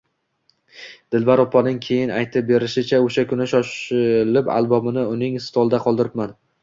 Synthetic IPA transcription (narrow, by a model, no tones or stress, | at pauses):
d̪̥ɪlvaɾɒpʰːɒnɪŋkʲʰe̞jɪnajt̪ʰɪp̚be̞ɾɪʃɪt͡ʃʰaoʃakʰʊnɪʃɒʃɪlɪpa̰lˠbɒmɪnɪʊnɪŋst̪ʰɒlˠd̪aqʰɒlˠd̪ɪɾɪp̚man